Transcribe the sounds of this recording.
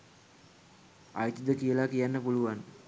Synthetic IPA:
a̰jt̪id̪əkijəlakijanːəpuluʋan

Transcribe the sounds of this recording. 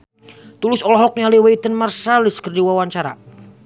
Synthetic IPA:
t̪ulɪsɔlɔɦɔk̚ɲaliweit̪ənmarsalɪskərdiwawaɲt͡ʃaɾa̰

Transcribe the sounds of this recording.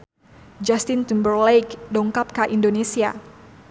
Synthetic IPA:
d͡ʒast̪ɪnt̪umbərlejkdɔŋkap̚kaʔindonesia̰

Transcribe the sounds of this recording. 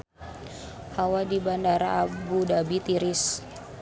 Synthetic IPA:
hawadibandaɾa̰ːbudabit̪iɾɪs

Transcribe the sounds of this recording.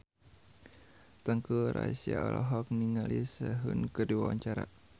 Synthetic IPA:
t̪əŋkuɾaisiaɔlʔɔɦɔk̚niŋalisəɦunkədiwawaɲt͡ʃaɾa̰

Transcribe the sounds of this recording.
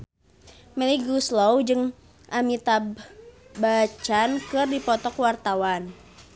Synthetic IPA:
mɛliɡuslɔwd͡ʒɨŋ | ʔamit̪abbat͡ʃankɨrdipɔt̪ɔkwart̪awan

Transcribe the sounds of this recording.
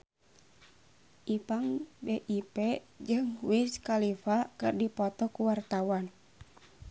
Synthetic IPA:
ʔipaŋbeʔipɛ | d͡ʒɨŋwiskalifakɨrdipɔt̪ɔkuwart̪awan

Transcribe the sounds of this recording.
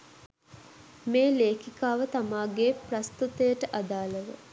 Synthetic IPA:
meːleːkikaːʋət̪amaːɡeːprɐst̪ut̪əjəʈəʔad̪aːləʋə̰

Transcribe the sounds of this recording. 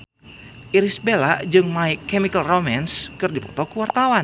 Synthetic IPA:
ʔiɾisbelad͡ʒɨŋmaikɛmikəlromanskɨrdipɔt̪ɔkuwart̪awan

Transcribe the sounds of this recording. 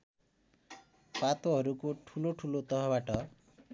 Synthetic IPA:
pat̪ɔɦɔɾukuʈʰuloʈʰulot̪ɔɦɔbaʈɔ

